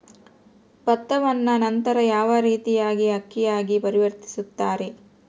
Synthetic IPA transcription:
pɐt̪ːɐʋɐnːɐnɐnt̪ɐɾɐjaːʋɐɾiːt̪ijaːɡiɦɐkːijaːɡipɐɾiʋɐɾt̪i̥sut̪ːaːɾe̞

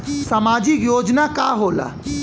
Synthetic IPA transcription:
səmaːd͡ʒikjoːd͡ʒnakaːɦoːla̰

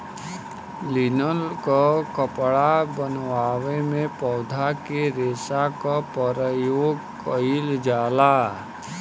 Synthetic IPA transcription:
linəlkakəpɽabənʋaːwemẽpɔːd̪ʱakeɾeːsakapəɾəjoːɡkəild͡ʒaːla

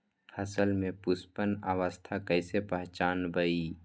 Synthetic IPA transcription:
hɐsəlmẽpʊspənaʋəst̪ʰakɛɪsepəɦt͡ʃaːnbəiː

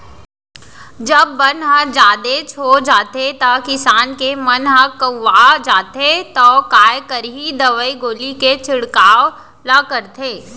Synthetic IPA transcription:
d͡ʒɐbːənɦəd͡ʒaːd̪et͡ʃʰoːd͡ʒaːt̪et̪akɪsaːnkemɐnɦəkəːad͡ʒaːt̪et̪okaːjkəɾɦid̪ɐʋəiɡoːliket͡ʃʰɪɽkaːʋ | lakəɾt̪ʰeː

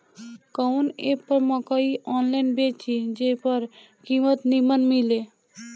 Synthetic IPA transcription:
kɔwnepəɾmɔkəiʔɔnlaɪnbet͡ʃid͡ʒepəɾ | kimət̪nimənmile

